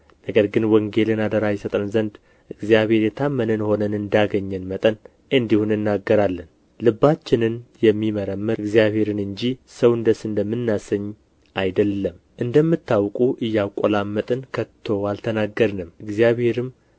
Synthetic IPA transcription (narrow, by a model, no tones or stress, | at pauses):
nəɡəɾɡɨnwəŋɡe̞lɨnad̪əɾajɛsət̪ʼɾɨnzənd̪ | ʔɨɡzijaβhe̞ɾjɛt̪ʰamːənɨnho̞nənɨnd̪aɡəɲːɛnmət̪ʼən | ɨnd̪ihunɨnːaɡːəɾalːən | lɨbːat͡ʃːɪnɨnjɛmːiməɾəmːɨɨɡzijaβhe̞ɾɨnɨnd͡ʒisəwɨnd̪əsɨnd̪əmːɨnːasəɲː | ajd̪əlːəm | ʔɨnd̪əmːɨt̪ʰːawkʼuʔɨjːawkʼolamːət̪ʼənkʰət̪ʰːo̞alt̪ʰənaɡəɾnɨmɨɡzijaβhe̞ɾɨm